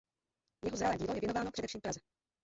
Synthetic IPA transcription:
jɛɦozɾalɛːɟiːlojɛvjɛnovaːnopr̥ɛdɛfʃiːmfpɾazɛ

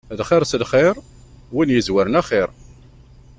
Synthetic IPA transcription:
ðχɪɾsəlχɪɾˤ | winjəzwæɾnæχɪɾˤ

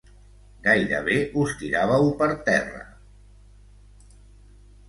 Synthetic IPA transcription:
ɡajɾə̰β̞eust̪iɾaβ̞əwpəɾt̪ɛrə̰

